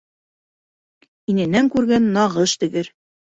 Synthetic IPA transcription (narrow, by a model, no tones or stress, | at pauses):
inɘ̆næŋkʉɾɡænːɑʁɤʃt̪ɘ̆ɡɘɾ